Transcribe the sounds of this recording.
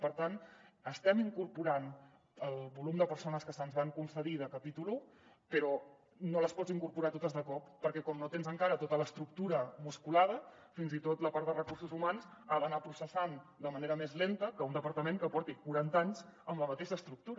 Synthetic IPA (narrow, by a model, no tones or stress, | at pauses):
pəɾt̪anəst̪ɛmiŋkuɾpuɾan | əlˠβulumd̪əpəɾsonəskəsənzβaŋkunsəð̞iðəkəpit̪ulu | pəɾɔ | noləspɔd͡ziŋkuɾpuɾat̪ot̪əzðəkɔpːəɾkɛkɔmnot̪enzəŋkaɾət̪ot̪ələst̪ɾuk̚t̪uɾəmuskulað̞ə | finzit̪ot̪ləpaɾt̪d̪ərəkursuzumanzəβənapɾusəsand̪əməneɾəmezlent̪əkəund̪əpəɾt̪əmeŋkəpɔɾt̪ikuɾant̪aɲzəmləmət̪eʃəːst̪ɾuk̚t̪uɾə